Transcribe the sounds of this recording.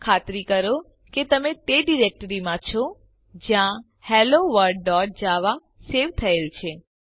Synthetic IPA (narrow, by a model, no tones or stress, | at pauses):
kʰat̪ɾikəɾo | ket̪əmet̪eɖiɾek̚ʈəɾimãt͡ʃʰɔ | d͡ʒjã | hɛloʋəɾɖ̚ːɔʈ̚d͡ʒaʋa | seʋt̪ʰəelt͡ʃʰe